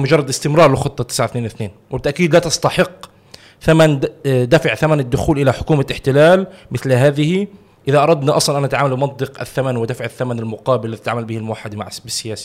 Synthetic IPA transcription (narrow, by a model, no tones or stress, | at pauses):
mʊd͡ʒɑrˤːɑd̪ɪst̪ɪmɾˤɑːɾˤlɪxʊt̪ˤːɑt̪ːɪ̥sʕaθneːnwɪθneːnwɪbt̪ːaʔkiːd̪lat̪ɑst̪ɑħɪqː | θamand̪afaʕθamanad̪ːʊxuːlʔɪlaħʊ̥kuːmaɪħt̪ɪlaːlmɪθlɦaːðɪhi | ʔɪðaʔɑɾˤɑd̪niʔɑsˤlɑnʔanʔat̪ʕaːmalbɪmɑt̪ˤd̪ɨqa̰θːamanwɪd̪afʕɪθːamanalmʊqɑːbɪlːɪt̪ʕaːmalbiːhɪlmʊwaħːad̪ma̰ʕbɪsːɪjaːsi̥